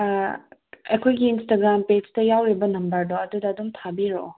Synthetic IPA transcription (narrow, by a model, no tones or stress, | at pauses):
ejkʰojɡiːnstaɡɾamped͡ʒtɐjawɾibɐnɐmbɐɾdoɐdudɐːdumtʰabiɾo̰